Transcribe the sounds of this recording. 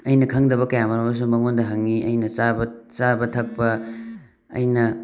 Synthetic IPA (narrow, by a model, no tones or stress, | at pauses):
ɐjnɐkʰɐŋdɐbɐkɐjamɐɾɐmɐs̬umɐŋondɐɦɐŋiʔɐjnɐsabɐsabɐtʰɐk̚pɐ | ɐ̰jnɐ